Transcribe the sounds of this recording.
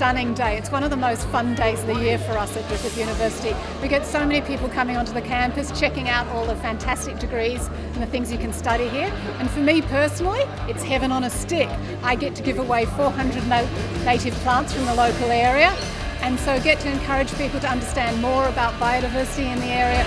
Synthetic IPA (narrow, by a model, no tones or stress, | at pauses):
ʌnɪ̃ŋdeɪɨtswʌ̃ɾ̃ʌvðəmoʊstfʌ̃ndeɪzʌvðɨjɪɹfə˞ʌsɨt̚b̥ɹɪfɨzjʉɾ̃nɨvɜ˞sɨɾi | wiɡɛtsoʊmɛñipʰipl̩ˠkʰʌmɪ̃ŋə̃ntɨðɨkʰæ̃mpɨst͡ʃʰɛkɪ̃ŋaʊɾɔlˠðəfæ̃ntʰæstɨk̚d̥ɨɡɹiz̃ | n̩ðɨθɪ̃ŋzjɨkɨ̃n̩stʌɾiɦiɹ | ɨ̃nfə˞mipʰɜ˞sn̩l̩ˠiɨtshɛvɨ̃nə̃nɨstɪk | aɪɡɛtʰɨɡɪvəweɪfɔɹhʌ̃ndɹɨdⁿnoʊneɪɾɨv̥pʰl̥ɑ̃ntsfɹʌ̃mðəloʊkl̩ˠɛɹiɨ | ɨ̃nsoʊɡɛtʰɨɨ̃nkʰʌ˞ɨ̥d͡ʒ̥pipl̩ˠtɨʌ̃ndə˞stæ̃nmɔɹɨbaʊt̚b̥aɪoʊɾɨɪvɜ˞sɨɾiɨ̃nðiɛɹiɨ